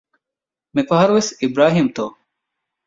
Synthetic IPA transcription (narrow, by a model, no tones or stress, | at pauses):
mepɐɦɐɾʋesibɾaːɦiːmt̪oː